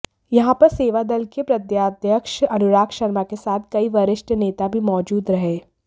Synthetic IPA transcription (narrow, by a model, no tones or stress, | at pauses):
jɐɦãpɐɾseːʋad̪ɐlkepɾɐd̪jaːd̪jəkʃɐnʊɾaːkʃɐɾmakesaːt̪̚ʰkɐiʋɐɾɪʃʈneːt̪abʱimɔːd͡ʒuːd̪ɾɐɦeː